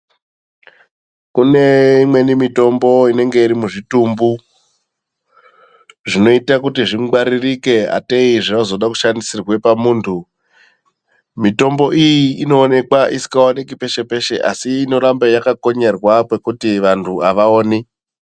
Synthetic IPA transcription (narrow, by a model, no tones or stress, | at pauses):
kune̞imwe̞nimito̞mbo̞ine̞ŋɡe̞iɾimuʐitumbu | ʐino̞itakutiʐiŋɡaɾirike̞a̰teiʐinozo̞ɗaku̥ʃandisirwe̞pamuːntʰu | mito̞mbo̞ʔijiːno̞ːne̞kwaʔisi̥kawonekipe̞ʃe̞pe̞ʃe̞ʔa̰siːno̞ɾambejakako̞ɲe̞rwakwe̞kutiʋantʰuaʋaoːni